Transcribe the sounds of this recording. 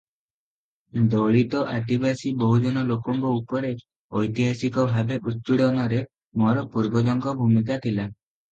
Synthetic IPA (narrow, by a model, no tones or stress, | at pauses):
d̪ɔɭit̪ɔʔat̪ibasibɔɦud͡ʒɔnɔlokɔŋkɔupɔɾe | ɔjt̪iɦasikɔbʱabeʔut̪̚piɽɔnɔɾe | mɔɾɔpuɾbɔd͡ʒɔŋkɔbʱumik̬at̪ʰila